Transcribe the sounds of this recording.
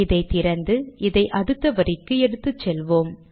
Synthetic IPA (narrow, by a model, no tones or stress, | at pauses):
ɪðɐɪt̪ɪɾɐnd̪ɯɪðɐɪʔɐðɯt̪ːɐʋɐɾɪkːɯɛɽɯt̪ːɯt͡ʃːɛlʋoːm